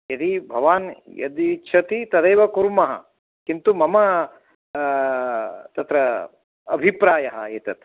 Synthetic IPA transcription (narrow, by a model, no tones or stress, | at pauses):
jɐd̪ibʱɐʋaːnjɐ̰d̪iʃʰɐt̪it̪ɐd̪ɐːʋɐkuɾmɐɦɐ̰ | kint̪umɐmɐ | t̪ɐt̪ɾɐ | ɐbʱipɾaːjɐɦɐ̰eːt̪ɐt̪